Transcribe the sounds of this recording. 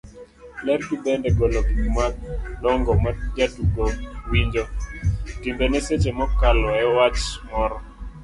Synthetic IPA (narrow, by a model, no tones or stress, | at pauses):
lɛrkibɛndɛɡɔlokimwak̚dɔŋɡɔmad͡ʒatuɡowiɲd͡ʒotind̪ɔneset͡ʃemɔkalɔɛwat͡ʃmɔɾɔ